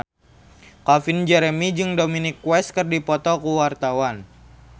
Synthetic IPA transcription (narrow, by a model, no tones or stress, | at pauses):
kafind͡ʒɛɾɛmid͡ʒɨŋdominikːwɛs̚kərdipɔt̪ɔkuwart̪awan